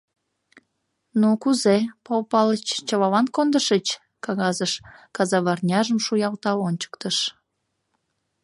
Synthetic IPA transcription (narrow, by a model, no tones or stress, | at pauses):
nukuzepɑwpɑlət͡ɕt͡ɕɑβɑlɑnkond̪əʃət͡ɕ | kɑɣɑzəʃkɑzɑβɑrnʲɑʒəmʃujɑlt̪ɑonʲt͡ɕə̥k̚t̪əʃ